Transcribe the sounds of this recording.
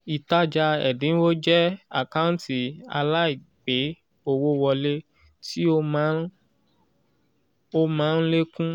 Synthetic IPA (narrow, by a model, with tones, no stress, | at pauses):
i˨ta˦d͡ʒa˧ɛ̰˨dĩ˨˦wo˦d͡ʒɛ˦a̰˨ka˦ũ˦n˦ti˨a̰˧la˦i˦˨ | ɡ͡be˨˦ | o˧wo˧wɔ˧le˦ | ti˦o˦mã˦ | o˦mãː˦n̩˦le˦kũ˦